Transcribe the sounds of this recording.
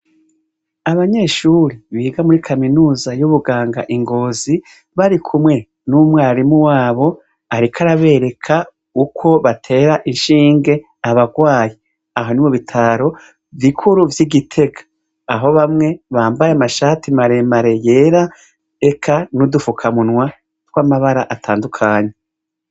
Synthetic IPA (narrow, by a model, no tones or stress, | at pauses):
aβaɲe̞ːʃuːɾiβiːɡamuɾikʰaminuːzajuβuɡaːŋɡa̰ʔiŋɡo̞ːzi | βaɾikʰumŋe̞ | numwaːɾimuwaːβo̞ | aɾikʰaɾaβe̞ːɾe̞kʰa | ukʰo̞βatʰe̞ːɾaʔinʃiːŋɡe̞ | aβaɡwaːji | aɦo̞nimuβitʰaɾo̞ | vikʰuɾuvjiɡitʰe̞ɡḁː | ɦo̞βamŋe̞βaːmbajeamaʃaːtimaɾe̞maɾe̞je̞ːɾa | ekʰanudufukʰamunwa | twamaβaɾaʔatʰaːndukʰaːɲe̞